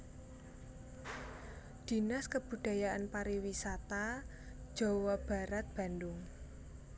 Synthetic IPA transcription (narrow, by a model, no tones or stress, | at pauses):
d̪̥i̤naskəb̥ṳd̪̥a̤jaʔanpaɾiwisat̪ḁ | d͡ʒ̥o̤wɔb̥a̤ɾat̪̚b̥a̤ndʊŋ